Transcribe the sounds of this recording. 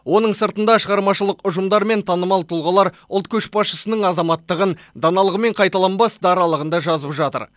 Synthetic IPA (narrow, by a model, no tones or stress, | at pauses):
wo̞nəɴsəɾt̪ənd̪ɑʃəʁɑɾmɑʃəlˠəqʊʒəmd̪ɑɾme̞nt̪ʰɑnəmɑlˠt̪ʰulˠʁɑlˠɑɾ | ʊlˠt̪̚kʲʰɵʃbɑsʃəsənəɴɑzɑmɑt̪ːəʁənd̪ɑnɑlˠəʁəme̞ɴqʰɑjt̪ɑlˠɑnbɑsd̪ɑɾɑlˠəʁənd̪ɑʒɑzəpʒɑt̪ə̰ɾ